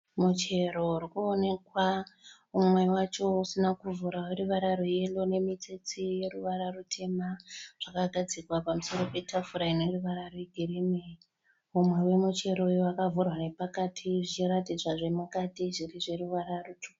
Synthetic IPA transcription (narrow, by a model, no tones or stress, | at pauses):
mut͡ʃe̞ɾo̞uɾikuone̞kwa | umwe̞wat͡ʃo̞usinakuvuɾaweɾuʋaɾaɾoje̞lone̞mit͡set͡sije̞ɾuʋaɾarutʰe̞maʐ̥akaɡʱad͡zikwapamuso̞ɾo̞pe̞tʰafuɾainoruʋaɾaroeɡʱiɾeme | umwe̞we̞mut͡ʃe̞ɾo̞joakavurwane̞pakatʰiʐit͡ʃiɾatid͡zwaʐemukatiʐiriʐe̞ɾuʋaɾarutʰu̥